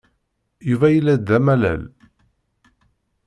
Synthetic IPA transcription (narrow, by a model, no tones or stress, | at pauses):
juvæjəlːæd̪ːæmælæ̰l